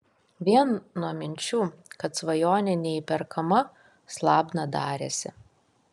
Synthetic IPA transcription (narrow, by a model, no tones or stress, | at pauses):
ʋʲiɛnnuɔmʲɪnʲt͡ʃʲuːkɐt̪sʋɐjoːnʲɛnʲɛipʲɛɾkʰɐmɐ | slˠɑːbnɐd̪ɑːɾʲḛsʲɪ̰